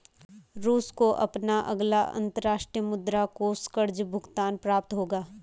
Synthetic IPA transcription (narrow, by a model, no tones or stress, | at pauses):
ɾuːskoʔɐ̰pnaʔɐ̰ɡlaɐ̰̃nt̪əɾaːʃʈɾijəmʊd̪ɾakoːskəɾd͡ʒbʱʊɡt̪aːnpɾaːp̚t̪ɦoːɡaː